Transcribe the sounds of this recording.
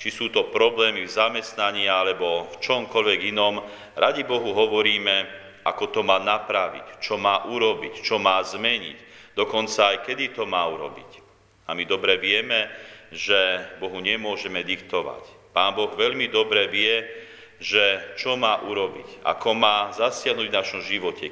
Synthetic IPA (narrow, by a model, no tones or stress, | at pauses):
t͡ʃisuːt̪ɔpɾɔblɛːmivzamɛst̪naɲɪaalɛbɔft͡ʃɔmkɔʎʋɛɡinɔm | ɾaɟibɔɦuɦɔʋɔɾiːmɛ | ʔa̰kɔt̪ɔmaːnapɾaʋḭct͡ʃɔmaːʔuɾɔbict͡ʃɔmaːzmɛɲḭcd̪ɔkɔnt͡saːjkɛd̪it̪ɔmaːuɾɔ̰bḭc | amid̪ɔbɾɛʋɪɛmɛʒɛbɔɦuɲɛmʊɔʒɛmɛd̪ikt̪ɔʋa̰c | paːnbɔɣʋɛʎmid̪ɔbɾɛʋɪɛ | ʒɛt͡ʃɔmaːʔuɾɔbḭca̰kʰɔmaːzasɪaɦnuːɟvnaʃɔmʒiʋɔcɛ̰